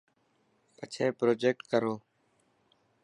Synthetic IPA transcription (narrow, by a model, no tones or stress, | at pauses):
pət͡ʃʰeːpɾoːd͡ʒeːk̚ʈkəɾoː